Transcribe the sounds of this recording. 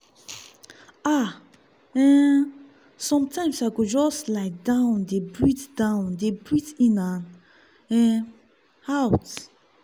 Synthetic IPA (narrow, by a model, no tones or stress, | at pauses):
a | ɛ | sɔ̃mtʰãɪ̃msaɡod͡ʒɔstlaɪdãʊ̃ndebɹitd̥ãʊ̃ndebɹitĩnan | ɛ | haʊt